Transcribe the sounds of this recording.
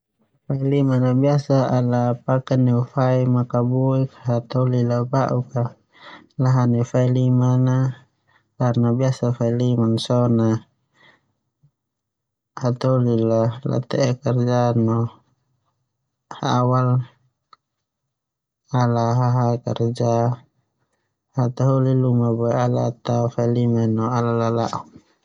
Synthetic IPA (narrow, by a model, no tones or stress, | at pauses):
failimanabiasaalapakaniufaimakabuikɦat̪ɔlilabaʔuka | laɦanifailimana | karnabiasafailimansɔna | hat̪aolilala̰t̪ɛʔɛkard͡ʒanɔ | haawal | alaɦaɦakard͡ʒa | hat̪aɦolilumabɔɛalat̪afailimanɔalalalaʔɔn